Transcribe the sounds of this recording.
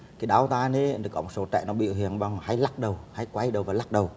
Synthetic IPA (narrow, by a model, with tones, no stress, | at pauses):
kaː˨˦ɗaː˨˦wt̪aː˧ne˨˦nə˨˩kɔ˨˦mo˨˩t̚so˨˦t͡ɕɛ̰˧˨nɔ˨˦ɓḭ˧˨hi˨˩ənɓa˧wŋ͡mha˨˧˦jla˦˥k̚ɗə˨˩wha˧˦jkwa˨˧˦jɗə˨˩wvaː˨˩la˦˥k̚ɗə˨˩w